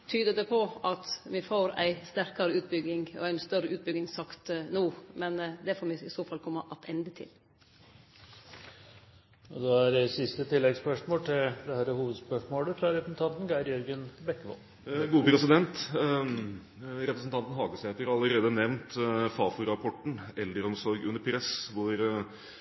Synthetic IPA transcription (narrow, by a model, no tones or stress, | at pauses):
t̪ʰyːd̪əd̪ɛpʰɔɑt̪ʋɪfoːɾæ̰ɪst̪æɾkɑɾəʉːt̪̚bʏɡɪŋɔ̰æɪnst̪œɾəʔʉːt̪̚bʏɡɪŋsɑkt̪nuːmɛnd̪ɛfoːɾʋɪɪsoːfɑlkʰɔmːəʔɑt̪ʰɛnd̪ət̪ʰɪ̰l | ɔd̪ɔæɾsɪst̪ət̪ʰɪlːɛɡspœʂmoːlt̪ʰɪld̪ɛhæɾəhuːʋəd̪spœʂmoːləfɾɑɾɛpɾəsn̩t̪ɑnt̪n̩ɡæɪɾjœɾɡənbɛkːəʋɔ̰l | ɡuːpʰɾɛsɪd̪ɛnt̪ | ɾɛpɾəsn̩t̪ɑnt̪n̩ɦɑːɡəsɛt̪əɾɾɑləɾeːd̪ənɛʋnt̪fɑːfʊɾɑpʰɔʈːɳ̩ɛld̪əɾɔmsɔɾɡʉnːəɾpʰɾɛsʋʊɾ